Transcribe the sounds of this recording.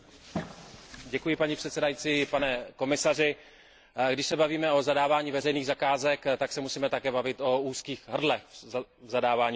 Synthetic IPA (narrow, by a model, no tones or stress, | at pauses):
ɟɛkujɪpaɲipr̝̥ɛt̪sɛdajit͡siːpanɛko̞mɪsar̝ɪ | ɡdɪʃsɛbaviːmɛo̞zadaːvaːɲiːvɛrɛjniːɣzakaːzɛkt̪aksɛmusiːmɛt̪akɛːbavɪt̪ʔo̞uːskiːxɦr̩dlɛxvzadaːvaːɲi